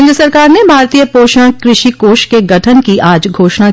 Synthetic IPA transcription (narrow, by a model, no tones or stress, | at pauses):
nd̪ɾəsəɾkaːɾnebʱaːɾt̪ijəpoːʃə̃kɾɪʃikoːʃkeɡɐʈʰənkiʔaːd͡ʒɡʱoːʃna